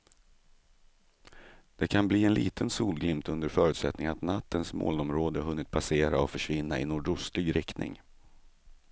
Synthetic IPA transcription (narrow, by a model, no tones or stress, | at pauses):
d̪̥ɛkʰanbliːɛnlḭːt̪ʰənsuːlɡlɪmt̪ɵnd̪əɾfœːɾʉ̟t̪sɛt̪nɪŋnat̪nat̪ːənsmo̰ːlɔmɾoːd̪əɦɵnːɪt̪̚pʰaseːɾa̰ɔfœʂvɪnːaɪnʊːɖʊsliːɡɾʔɛk̪nɪ̰ŋ